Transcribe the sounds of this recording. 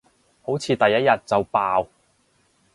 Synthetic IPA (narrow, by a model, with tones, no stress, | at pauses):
ho˨˥wt͡sʰiː˨˧t̪ɐ˨jːɐ˥t̚jɐ˨t̚t͡sɐ˨wpaː˨˧w